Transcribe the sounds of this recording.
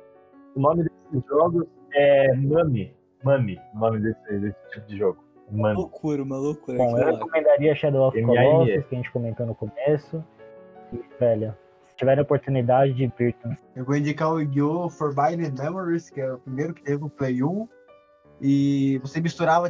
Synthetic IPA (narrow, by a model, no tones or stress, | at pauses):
ʊnõmɪd̪esɪzʒɔɡʊs | ɛmɐ̃mɪ | mɐ̃mɪʊnõmɪd̪esɪd̪esɪ̥t͡ʃipʊd͡ʒɪʒɔɡʊs | mɐ̃mokuɾɐumɐlokuɾbõewhekomẽnd̪aɾiɐɐʃad̪owɔfɔiskʲɐʒẽt͡ʃɪkomẽnt̪onʊkomesʊ | ɪvɛʎɐ | sɪ̥t͡ʃivɛɾẽopoɾt̪unid̪ad͡ʒɪd͡ʒɪviɾt̪ũ | ewɡoĩd͡ʒikaʊɡiofoɾbajnẽmẽmoɾiskɪɛʊpɾimejɾʊkɪ̥t̪evɪʊplejũ | ɪvosemist̪uɾavɐ